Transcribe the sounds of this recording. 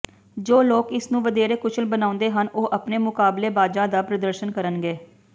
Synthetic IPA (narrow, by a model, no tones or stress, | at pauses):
d͡ʒoːloːkɪsnũːʋəd̪eːɾeːkʊt͡ʃʰəlbənãːʊ̃nd̪eːɦənoːʔəpneːmʊkaːbleːbaːd͡ʒãːd̪aːpɾəd̪əɾʃənkəɾənɡeː